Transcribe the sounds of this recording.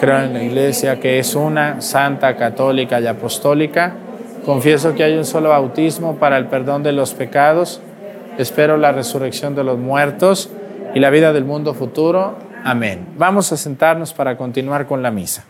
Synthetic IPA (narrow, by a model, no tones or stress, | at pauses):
kɾe̞oenlaiɣle̞sjake̞esunasant̪akat̪o̞likajapo̞st̪o̞lika | ko̞ɱfje̞s̬o̞keajunso̞lo̞βawt̪izmo̞paɾaelpe̞ɾðo̞nd̪e̞lo̞spe̞kað̞o̞s | e̞spe̞ɾo̞lare̞sure̞ksjo̞nd̪e̞lo̞zmwe̞ɾt̪o̞s | ilaβ̞iðað̞e̞lmũnd̪o̞fut̪uɾo̞ | amẽ̞nbamo̞sase̞nt̪aɾno̞spaɾako̞nt̪inwaɾko̞nlamisḁ